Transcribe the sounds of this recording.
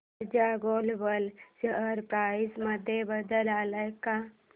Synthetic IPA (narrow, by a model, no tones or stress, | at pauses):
d͡ʒaɡolbəlsəəɾpɾaːisməd̪ʱjebəd̪əlaːləka